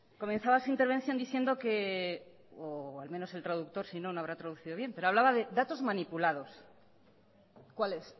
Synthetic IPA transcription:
ko̞mẽ̞nθaβasuint̪eɾβ̞e̞n̟θjo̞nd̪iθje̞nd̪o̞ke̞ | oalmẽ̞no̞se̞lt̪ɾaðuk̚t̪o̞ɾsinonoaβɾat̪ɾaðuθiðo̞β̞je̞mpe̞ɾo̞aβ̞laβaðe̞ðat̪o̞zmãnipulaðo̞s | kwales

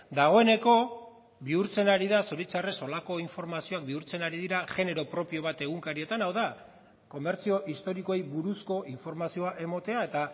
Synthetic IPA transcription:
d̪aɣ̞o̞e̞ne̞ko̞ | βiuɾt͡se̞naɾiðasoɾit͡sare̞so̞lako̞iɱfo̞ɾmasio̞ak̚biuɾt͡se̞naɾiðiɾaʝe̞ne̞ɾo̞pɾo̞pio̞β̞at̪e̞ɣ̞uŋkaɾie̞t̪anawða | ko̞me̞ɾt͡sio̞ʔist̪o̞ɾiko̞ejβuɾusko̞ʔiɱfo̞ɾmasio̞aʔe̞mo̞t̪e̞ae̞t̪a

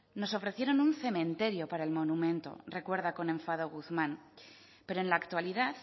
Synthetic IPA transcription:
no̞so̞fɾe̞θje̞ɾo̞nunθe̞mẽ̞nt̪e̞ɾjopaɾaelmo̞numẽ̞nt̪o̞̰re̞kwe̞ɾðako̞nẽ̞ɱfaðo̞ɣ̞uθmãn | pe̞ɾoenlaːkt̪waliðaθ

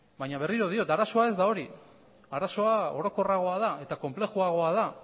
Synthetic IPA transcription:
bajɲaβeriɾo̞ð̞io̞t̪aɾaso̞ae̞zd̪ao̞ɾi | aɾaso̞ao̞ɾo̞ko̞raɣ̞o̞aðae̞t̪ako̞mple̞xuaɣ̞o̞að̞a

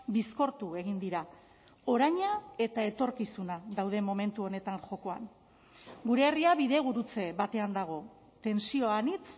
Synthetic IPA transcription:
bisko̞ɾt̪ue̞ɣind̪iɾa | o̞ɾajɲae̞t̪ae̞t̪o̞ɾkisunaðawð̞e̞mo̞me̞nt̪uo̞ne̞t̪aŋʝo̞ko̞a̰n | ɡuɾe̞ːriaβiðe̞β̞uɾut͡se̞βat̪e̞and̪aɣ̞o̞ | t̪e̞nsio̞anit͡s

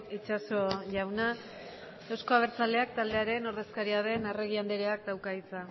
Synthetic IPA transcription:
it͡ʃaso̞ʝawna | e̞wsko̞aβ̞eɾt͡sald̪e̞ak̚t̪ald̪e̞aɾe̞no̞ɾðe̞skaɾiað̞e̞nere̞ɣ̞iand̪eɾeak̚d̪awkait͡sa

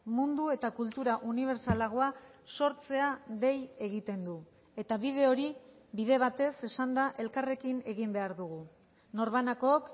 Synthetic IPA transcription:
mund̪ue̞t̪akult̪uɾaʔuniβ̞e̞ɾt͡salaɣo̞aso̞ɾt͡se̞aðe̞je̞ɣit̪e̞nd̪u | e̞t̪aβið̞e̞o̞ɾi | βiðe̞β̞at̪e̞se̞sand̪aʔe̞lkare̞kine̞ɣimbe̞aɾðuɣ̞u | no̞ɾβanako̞ːk

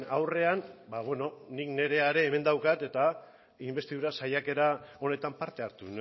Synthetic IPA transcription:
awre̞anbaβwe̞no̞nikne̞ɾe̞aɾe̞ːme̞nd̪awkat̪e̞t̪a | imbe̞st̪iðuɾasajake̞ɾao̞ne̞t̪ampaɾt̪e̞aɾt̪un

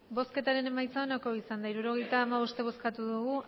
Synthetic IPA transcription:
bo̞ske̞t̪aɾe̞ne̞majt͡sao̞nako̞isand̪aiɾuɾo̞ɣ̞e̞jt̪aːmaβo̞st̪e̞β̞o̞skat̪uðuɣu

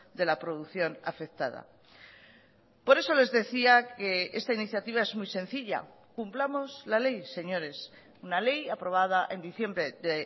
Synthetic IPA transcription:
d̪e̞lapɾoðuθjo̞na̰fe̞kt̪aða̰ | po̞ɾe̞so̞le̞zðe̞θiake̞e̞st̪ainiθjat̪iβ̞ae̞zmujsẽ̞nθiʎa̰ | kumplamo̞zlale̞jse̞ɲo̞ɾe̞s | unale̞japɾo̞β̞að̞aʔe̞nd̪iθje̞mbɾe̞ðe

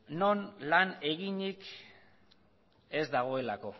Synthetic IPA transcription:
no̞nlane̞ɣiɲik | e̞zd̪aɣ̞o̞e̞lako̞

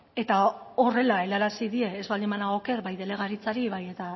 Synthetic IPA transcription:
e̞t̪ao̞re̞lae̞laɾasiðie̞ːzβald̪imanaoke̞ɾbajðe̞le̞ɣ̞aɾit͡saɾiβaje̞t̪a

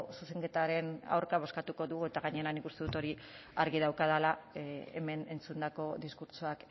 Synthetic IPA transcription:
suse̞ŋke̞t̪aɾe̞na̰wɾkaβo̞skat̪uko̞ðuɣue̞t̪aɣaɲe̞ɾanikust̪eðut̪o̞ɾi | aɾɣiðawkaðalaḛme̞ne̞nt͡sund̪ako̞ðiskuɾt͡ʃuak

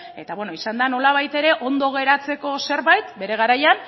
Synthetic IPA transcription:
e̞t̪aβwenoisand̪ano̞laβ̞ajt̪e̞ɾe̞ʔo̞nd̪o̞ɣ̞e̞ɾat͡se̞ko̞se̞ɾβajt̪be̞ɾe̞ɣ̞aɾajan

